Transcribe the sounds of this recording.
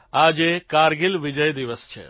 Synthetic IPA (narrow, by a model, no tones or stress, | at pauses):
aːd͡ʒekaːɾɡɪlʋɪd͡ʒəjd̪iʋəst͡ʃʰḛ